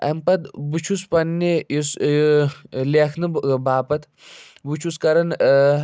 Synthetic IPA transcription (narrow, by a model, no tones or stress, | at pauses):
ɐ̰mpɐt̪but͡ʃʰuspɐnːeis | leːkʰnɨbbaːpɐt̪ | but͡ʃʰuskɐɾɐn